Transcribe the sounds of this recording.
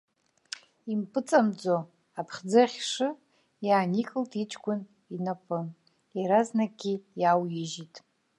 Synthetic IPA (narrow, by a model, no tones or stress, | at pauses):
impʰʼɨt͡sʼamd͡zo | apʰχʲd͡zɨχʲʂɨ | jaːnikʼɨltʼit͡ʃʼɡʷʊn | inapʼɨ | aɾaznaɡʲijawjɪʒitʼ